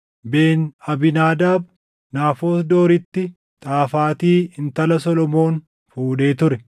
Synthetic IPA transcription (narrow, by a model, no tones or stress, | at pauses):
be̞ːnɐbɪnaːd̪aːb̚ | naːfo̞ːsd̪o̞ːɾɪt̪ːɪ | t̪ʼaːfaːt̪iːɪnt̪ɐlɐsɔlɔmo̞ːn | fuːᶑe̞ːt̪ʊɾɛ